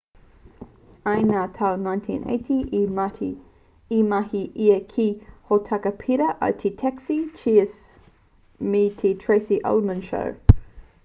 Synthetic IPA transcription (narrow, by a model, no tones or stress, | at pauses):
aɪnat̪ʰawnãɪ̃ntʰḭ̃nʔḛɪtʰi | imaɦiʔiəkʰihotʰakəpʰiɾəʔə̰tʰitʰɛksit͡ʃʰiəs | mitʰitʰɹeɪsiʔɐ̰lmənʃə̰ɹ